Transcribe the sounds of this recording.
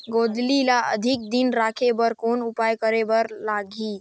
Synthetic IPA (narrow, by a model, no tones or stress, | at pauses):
ɡod̪lilaə̰d̪ʱik̚d̪inɾakʰebəɾkonupajkəɾebəɾlaɡʱi